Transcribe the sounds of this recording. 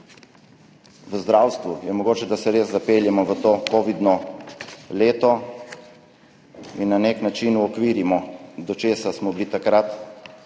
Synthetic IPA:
ʋəzd̪ɾawst̪ʋujɛmɔɡoːt͡ʃɛd̪asɛɾeːszapeːljɛmɔʋət̪oːkoːʋid̪nɔ | leːt̪ɔ | inːaneknat͡ʃinuɔkʋiːɾimɔd̪ɔt͡ʃeːsasmɔblit̪akɾat̪

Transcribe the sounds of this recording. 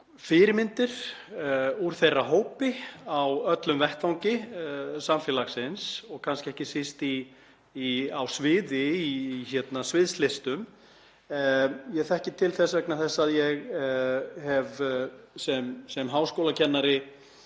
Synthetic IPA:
fɪɾɪmɪnt̪ɪɾ̥ | uɾ̥θejraɦoːwpɪawœt̪lʏmvɛht̪fawŋɲcɪsamfɛːlaxsɪnsɔɣkʰanskɪɛhcɪsɪst̪iː | awsvɪːðɪiçɛt̪nasvɪðst̪lɪst̪ʏm | jɛɣθɛhcɪt̪ʰɪlθɛsvɛk̚naθɛsːaðjɛɣ | hɛvsɛmsɛmɦaːwskowlacʰɛnːaɾɪ

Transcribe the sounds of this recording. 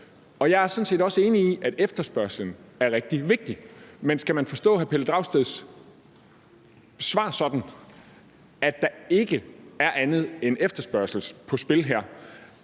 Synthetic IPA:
ɒ̽jɑ̈ɪæɐsɒ̽n̩se̝̰ːdɒ̽səe̝ːniiʔæɾ̥efd̥ɐsb̥ɶɐslən̩æɐʁɛɡ̥̚d̥iʋe̝ɡ̥̚d̥imensɡ̥æmænfɒ̽sd̥ɔ̰̽ːɦæpʰeləd̥ʁɑ̈ʊsd̥eðˠs | sʋɑ̈ːsɒ̽d̥n̩ | æd̥ɑ̈e̝ɡ̥əæɐʔænð̞̩ˠenefd̥ɐsb̥ɶɐsl̩spʰɒ̽sb̥e̝lɦeɐ̰

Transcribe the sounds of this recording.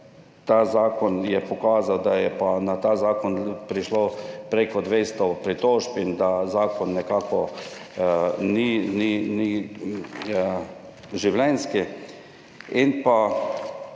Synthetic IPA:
t̪aːzaːkɔnjɛpɔkaːzawd̪ajɛpanat̪aːzaːkɔnpɾiʃlopɾekɔd̪ʋest̪ɔpɾit̪oːʒpind̪azaːkɔnːɛkaːkɔ | ninini | ʒiwlɛnski | inpa

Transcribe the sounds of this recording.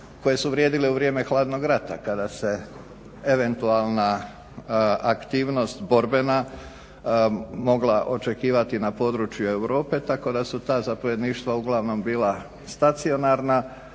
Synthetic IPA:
ko̞je̞suʋɾjeːd̪ileuʋɾje̞ːme̞xlˠaːd̪no̞ɡɾat̪a̰kad̪ase̞ | eʋe̞nt̪ualˠna | akt̪iːʋno̞st̪bo̞ɾbe̞na | mo̞ɡlaʔo̞t͡ʃe̞kiːʋat̪inapo̞ːd̪ɾut͡ʃjue̞wɾo̞ːpe̞t̪ako̞d̪asut̪aːzapo̞ʋje̞d̪niːʃt̪ʋauɡlˠaʋno̞mbiːla | st̪at̪sio̞naɾna

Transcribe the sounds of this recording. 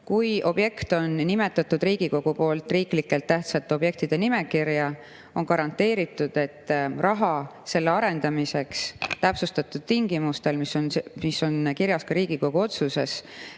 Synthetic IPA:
kujʔo̞b̥je̞kt̪o̞nːime̞t̪ːˑɑt̪ːˑud̪riːɡ̥iko̞ɡ̥upo̞ːlt̪ˑriːklikːˑe̞lt̪ːæht̪sɑt̪ːeo̞b̥je̞k̚t̪id̪̥e̞nime̞kirjɑ | o̞nkɑɾɑnt̪ːe̞ːɾit̪ːˑud̪̥e̞t̪ːrɑɦɑse̞lːeɑɾe̞nd̪̥ɑmise̞kst̪æpsust̪ɑt̪ːud̪̥̚t̪iŋɡ̥imust̪e̞lmisonsmiso̞nkiɾjɑskɑɾiːɡ̥iko̞ɡ̥uo̞t̪suse̞s

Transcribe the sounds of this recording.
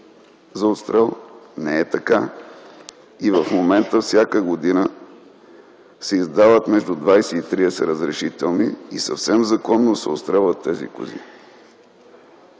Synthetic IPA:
zɐot̪st̪ɾɛlˠnɛɛt̪ɐka | ivəfmomɛnt̪əfsʲjakəɡod̪inə | sɛizd̪avət̪mɛʒd̪ud̪vajsɛit̪ɾiɛsɛɾəzɾɛʃit̪ɛlˠniisɐfsɛmzɐkɔnːosɛo̰t̪st̪ɾɛlˠvət̪ːɛzḭkʊ̰zḭ

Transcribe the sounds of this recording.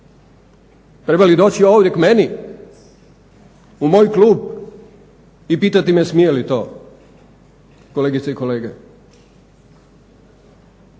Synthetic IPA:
t̪ɾe̞balid̪o̞ːt͡ɕioːʋd̪je̞kmeni | umo̞ːjkluːb | ipiːt̪at̪imesmijelit̪o̞ː | koleːɡit̪seiko̞le̞ːɡe

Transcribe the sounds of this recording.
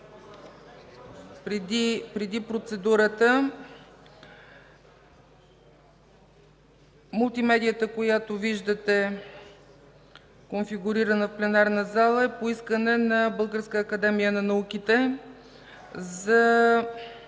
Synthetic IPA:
pɾd̪ipɾɛd̪ipɾot̪sɛd̪uɾət̪ə | mʊlˠt̪imɛd̪ijət̪əkojat̪oviʒd̪ət̪ɛ | konfiɡʊɾiɾənəfplɛnaɾnəzalˠəɛpoiskənɛnɐbɤlˠɡəɾskəːkɐd̪ɛmijənɐnɐukit̪ɛ | zɐ

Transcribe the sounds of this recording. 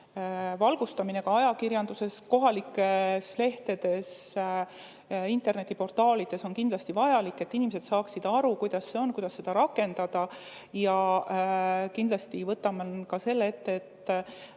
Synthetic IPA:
vɑlɡ̥ust̪ɑmine̞kɑɑjɑkirjɑnd̪use̞sko̞ɦɑlikːˑesle̞ht̪e̞d̪̥e̞s | int̪e̞rne̞t̪ːˑipo̞rt̪ˑɑːlid̪̥e̞so̞nkind̪lɑst̪ivɑjɑlikːe̞t̪ːinimese̞d̪̥sɑːksid̪̥ɑɾukujd̪̥ɑsːe̞o̞nkujd̪̥ɑsːe̞d̪̥ɑɾɑkːˑe̞nd̪̥ɑd̪̥ɑ | jɑ | kind̪̥lɑst̪ivɤt̪ːˑɑmɑkɑse̞lːee̞t̪ːeːt̪ːˑ

